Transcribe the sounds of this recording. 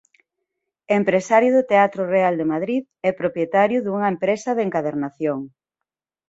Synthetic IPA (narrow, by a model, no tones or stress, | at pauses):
empɾesaɾjʊðʊt̪eat̪ɾʊreald̪emaðɾið | ɛpɾopjet̪aɾjʊðuŋɐempɾesɐðeŋkaðeɾnaθjoŋ